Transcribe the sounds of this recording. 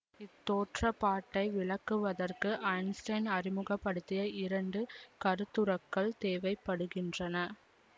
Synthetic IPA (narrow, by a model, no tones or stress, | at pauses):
ɪt̪ːoːʈrɐpːaːʈːɐɪʋɪɭɐkːɯʋɐðɐrkɯʔɐɪnsʈɐɪnɐɾɪmɯɣɐpːɐɽɯt̪ːɪjɐɪɾɐɳɖɯkɐɾɯt̪ːɯɾɐkːɐɭt̪eːʋɐɪpːɐɽɯɣɪndrɐnɐ